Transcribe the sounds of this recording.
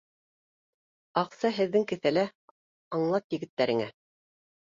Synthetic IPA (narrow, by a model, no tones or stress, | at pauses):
ɑqsɑɦɘ̆ðːɘŋkɘ̆θælæ | ɑɴlˠɑt̪jɘ̆ɡɘ̆t̪ːæɾɘ̆ŋæ̰